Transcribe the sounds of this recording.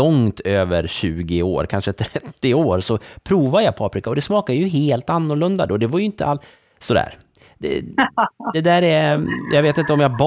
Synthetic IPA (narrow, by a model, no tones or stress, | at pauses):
ɔŋt̪ʰøːvə̰ɾɕʉ̟ːɡɪo̰ːɾkʰanʂət̪ʰɾɛt̪ːɪoːɾsɔpʰɾuːvad̪əjapʰɑːpɾɪkaɔd̪ɛsmɑːkad̪əjɵɦeːlt̪anːʊɾlɵnd̪a̰d̪oːd̪ɛvajʏɪnt̪ə̰al | sɔd̪æ̰ːɾ | d̪ɛ̰ | d̪ɛd̪æːɾɛjʔɑɡveːt̪ɪnt̪əɔmjɑb